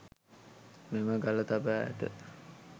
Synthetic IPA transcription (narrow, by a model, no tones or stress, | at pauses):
meməɡalət̪abæ̰ʈ̪ə̰